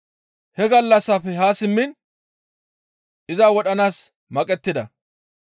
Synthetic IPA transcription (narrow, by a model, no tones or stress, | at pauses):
hɛɡɐlːɐsːafɛɦaːsɪmːɪn | ʔɪzaːwɔɗɐnaːs | mɐkʼɛt̪ːɪd̪ɐ